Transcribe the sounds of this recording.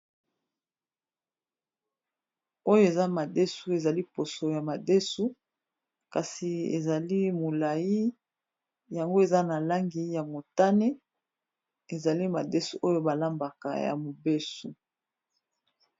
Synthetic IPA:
o˦jo˦e˨za˦ma˨de˦su˦e˨za˨li˦po˨so˨ja˨ma˨de˦su˦ | ka˨si˨ḛ˨za˨li˦mo˨la˨ji˦ | ja˨ŋɡo˦e˨za˦na˨la˦ŋɡi˨ja˨mo˨ta˦ne˦ | e˨za˨li˦ma˨de˦su˦ʔo˦jo˦ba˨la˦mba˨ka̰˨ja̰˨mo˨be˦su˨

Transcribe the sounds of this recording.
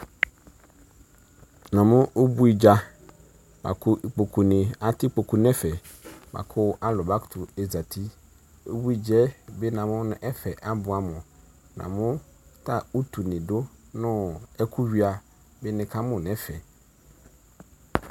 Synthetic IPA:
nã˨mʊ̃˦ʔo˦bu˦i˨d͡ʒa˨ | ba̰˨kʰʊ˦ʔi˨k͡po˨kʰu˨nɪ̃˨a˨tɪ˦k͡po˨ku˨nɛ̃˦fɛ˨ | ba̰˨kʰʊ˦ʔa˦lʊ˨ba˦ktʰʊ˨ɛ˨za˨tʰi˦ | o̰˦bu˦i˨d͡ʒɛ˦bɪ˦nã˨mʊ̃˦nʊ̃˦ʔɛ˦fɛ˨ʔa˦bʊ˨a˦mʊ̃˨ | nã̰˨mʊ̃˦tʰa˦˨u˦tʰu˨nɪ̃˨dʊ˦nʊ̃˦ɛ˦kʰu˦ɥi˦a˨ | bɪ˦nɪ̃˨kʰa˦mʊ̃˨nɛ̃˦fɛ˨

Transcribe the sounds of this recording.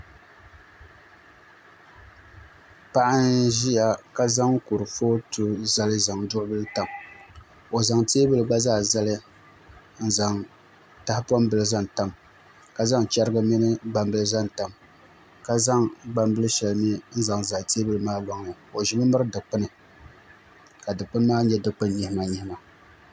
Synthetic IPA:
pa˦ʔa˦nʒi˦ja˨ka˦za˦ŋku˨ɾɨ˨foː˦tu˨za˦lɨ˦za˨ŋdʊ˦ʔʊ˦bɨ˦lɨ˦ta˨m | o˨za˨ŋteː˦bɨ˦lɨ˨ɡ͡ba˦zaː˦˨za˦lɨ˦ | n̩˦za˨ŋ | ta˨˦pɔ˦m˦bɨ˦lɨ˦za˦nta˦m | ka˨za˦ŋt͡ʃa˦ɾɨ˦ɡa˦mi˦nɨ˦ɡ͡ba˨m˦bɨ˦lɨ˦za˦nta˨m | ka˨za˦ŋɡ͡ba˦mbɨ˦lɨ˦ʃɛ˨lni˦n̩˦za˨ŋza˨te˦bɨ˦lɨ˦maː˦lɔ˨ŋ˨nɨ˨o˨ʒi˦mɨ˦mɨ˦ɾɨ˦dɨ˨k͡pɨ˦nɨ˨ | ka˨dɨ˨k͡pɨ˦n˦maː˦ɲɛ˦dɨ˨k͡pɨ˦nɲi˦hɪ˦ma˨ɲi˦hɪ˦ma˨

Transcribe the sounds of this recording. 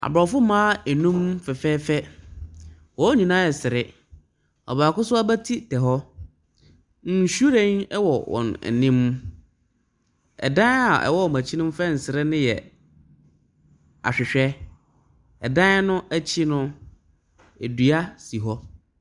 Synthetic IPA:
a̰˨bɾɔ˨fʊ˦mãː˦ɛ˨nũ˦mfɛ˨fɛː˦fɛ˦ | wɔ˨˦ɲĩ˨nã˦ɛ˨sɪ˨ɾɪ˦ | ɔ̰˨ba˨kʊ˦sʊ˦a˦bæ˦tʰi˦tʰɛ˨ɦɔ˦ | n̩˨ɕu˦ɾẽ˦ɛ˦wɔ˨wɔ̰̃˨n̰˨nɪ̃˦m˦ | ɛ̰˨dã˦n˦a̰˨ʔɛ̰˨wɔ˦ɔ˨mã˨t͡ɕʰi˦nʊ̃˦m˦fɛ˦˨n̩˨sɪ˨ɾɪ˦nɪ̃˦jɛ̰˨ | a̰˨ɕᶣɪ˨ɕᶣɛ˦ | ɛ˨dã˦n˦nʊ̃˦ʔæ˦t͡ɕʰi˦nʊ̃˦ | e˨du˨a˦si˨ɦɔ˦

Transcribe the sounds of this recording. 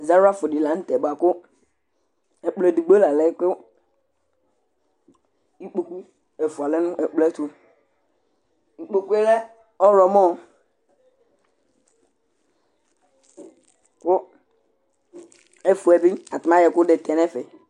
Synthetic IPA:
za˦ɾʊ˦a˦fʊ˨dɪ˨la˨˦n̩˦tɛ˨ba˨kʊ˦ | ɛ˨k͡plɛ˨du˨ɡ͡be˦la˨lɛ˦kʊ˦ | i˦k͡po˨ku˦ | ɛ˨fu˨a˨lɛ˦nʊ̃˦ʔɛ˨k͡plɛ˦tʊ˨ | ŋ̩i˨k͡po˨ku˦ɛ˦lɛ˦ | ɔ˦ɾɔ˨mɔ̃˦ | kʊ˦ | ɛ˦fu˨ɛ˨bi˦a˨tʊ˨mã˦jɛ˨kʊ˦dɛ˨tɛ˨nɛ˦fɛ˨

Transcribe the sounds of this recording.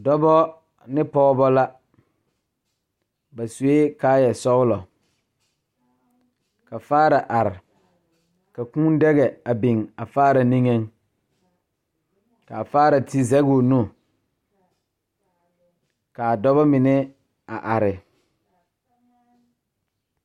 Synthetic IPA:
dɔ˦bɔ˦ | nɪ˦pɔː˦bɔ˦la˦ | ba˨su˨e˦kaː˦jɛ˨sɔ˦ɣlɔ˨ | ka˨faː˦ɾa˨ʔa˨ɾɪ˨ | ka˨kũ˦n˦dɛ˦ɣɛ˨a˨bi˨ŋa˨faː˦ɾa˨nĩ˦ŋɛ˦ŋ | ka˨faː˦ɾa˨ti˦zɛ˦ɡo˨nũ˦˨ | ka˨a˨dɔ˦βɔ˦mɪ˨nɛ˦ | a˨ʔa˨ɾɪ˨

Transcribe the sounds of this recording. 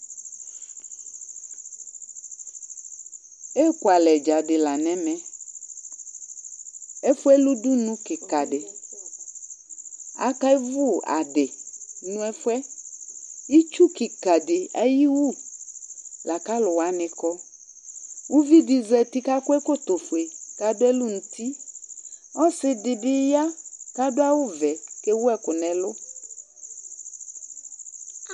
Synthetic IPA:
e˦kwa˨lɛ˨d͡ʒa˨dɪ˨la˨nɛ̃˨mɛ̃˨ | ɛ˦fwɛ˦lu˦du˦nũ˦kɪ˨ka˨dɪ˨ | a̰˦ka˦i˦vu˦˨a̰˨dɪ˨nũ˦ɛ˦fɛ˦ | i˦t͡ʃu˦ki˨ka˨dɪ˨ɛ˦ji˦wu˦˨ | la˨ka˦lʊ˨wa˦nɪ̃˨kɔ˦ | wu˦vi˦dɪ˨zɛ˨tɪ˦ka˦kʊ˦ɛ˦ko˦t̪o˨fʊ˨e˨ka˦dʊ˦ɛ˦lʊ˦n̩˨ti˦ | ɔ˦sɪ˨dɪ˨bɪ˦ja˦ka˦dʊ˦a˦wʊ˦vɛ˨ke˦wʊ˦ɛ˦kʊ˨nɛ̃˨lʊ˦

